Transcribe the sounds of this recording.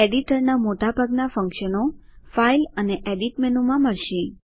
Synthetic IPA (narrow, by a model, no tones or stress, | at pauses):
eɖiʈəɾnamoʈabʱaɡnafə̃ŋkʃənofailəneʔeɖiʈmɛnumãməɭʃĩ